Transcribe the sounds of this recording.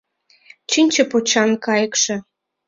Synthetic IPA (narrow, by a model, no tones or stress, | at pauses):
t͡ɕinʲt͡ɕə̆pot͡ɕɑnkɑjə̆kʃĕ